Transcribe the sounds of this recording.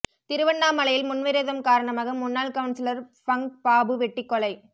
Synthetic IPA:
t̪ɪɾɯʋɐnːaːmɐɭɐjɪlmʊnʋɪɾeðɐmkaːɾɐɳɐmaːɣɐmʊnːaːlkɐʋɯnsɪlɐɾfɐŋpaːbɯʋɛʈːɪkːɔɭɐɪ

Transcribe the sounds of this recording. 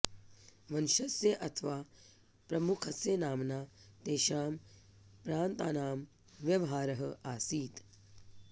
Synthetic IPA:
ʋɐnʃɐsjɐʔɐt̪ʰɐʋaː | pɾɐmukʰɐsjɐnaːmnaːt̪eːʃaːm | pɾaːnt̪a̰ːnaːm | ʋjɐʋɐɦaːɾɐɦɐʔaːsiːt̪

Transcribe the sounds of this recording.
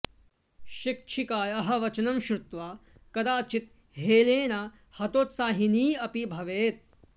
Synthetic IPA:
ʃik̚ʃʰikaːjɐɦɐʋɐt͡ʃɐnɐmʃɾut̪ʋaːkɐd̪aːt͡ʃit̪̚ | ɦeːleːnaː | hɐt̪oːt̪saːɦiniːɐpibʱɐʋeːt̪̚

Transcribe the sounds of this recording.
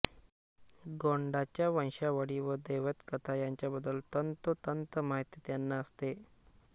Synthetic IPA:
ɡoɳɖat͡ɕjaʋə̃ñɕaʋəɽiːʋəd̪eʋət̪kət̪ʰajaɲt͡ɕjabəd̪əlt̪ənt̪ət̪ənt̪əmaɦit̪it̪janːaəst̪e

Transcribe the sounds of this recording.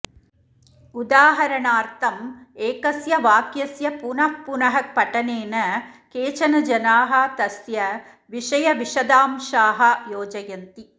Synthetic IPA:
ud̪aːɦɐɾɐɳaːɾt̪ʰɐmeːkɐsjɐʋaːkjɐsjɐpunɐhpunɐɦɐk̚pɐʈɐneːnɐkeːt͡ʃɐnɐd͡ʒɐnaːɦɐt̪ɐsjɐ | ʋiʂɐjɐʋiʂɐd̪aːmʂaːɦɐjoːd͡ʒɐjɐnt̪i

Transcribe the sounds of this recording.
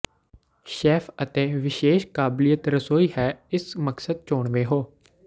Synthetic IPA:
ʃɛːpʰət̪eːʋɪʃeːʃkaːblijət̪ɾəsoːiːɦɛːɪsməksəd̪̚t͡ʃoːɳʋeːɦoː

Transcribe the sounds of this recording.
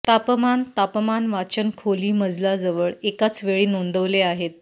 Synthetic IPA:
t̪apmant̪apmanʋat͡ɕənkʰoliːməd͡zlad͡zəʋəɭekat͡sʋeɭiːnond̪əʋleaɦet̪̚

